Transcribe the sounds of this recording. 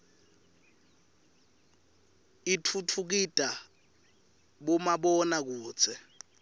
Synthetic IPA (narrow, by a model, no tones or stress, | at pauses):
itʰutʰuk̬itʼa | ɓɔmaɓɔnak̬u̥ːt͡sʰɛ